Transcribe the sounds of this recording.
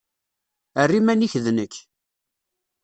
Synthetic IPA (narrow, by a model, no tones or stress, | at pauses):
ərːimæniçðnəkː